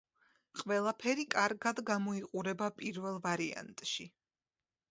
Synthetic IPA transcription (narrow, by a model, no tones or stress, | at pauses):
qʼwɛlˠapʰɛɾikʼaɾɡad̪ɡamɔiqʼuɾɛbapʼiɾvɛlˠvaɾia̰nt̪ʼʃi